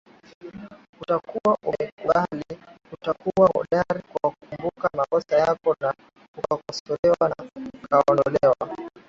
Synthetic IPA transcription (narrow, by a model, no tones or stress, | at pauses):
utakuwaʔuɛmkuɓali | utakuwaɔ̰ɗaɾikwakumbukamakɔsajakɔna | ukakɔsɔlɛwanakʰaɔndɔlɛwa̰